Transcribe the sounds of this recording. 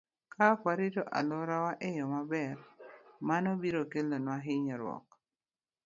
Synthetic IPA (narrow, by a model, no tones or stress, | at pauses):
kakwaɾɪtoʔa̰lɔɾawaʔejɔmabɛɾmanobiɾokelonwaɦɪɲɔɾwɔ̰k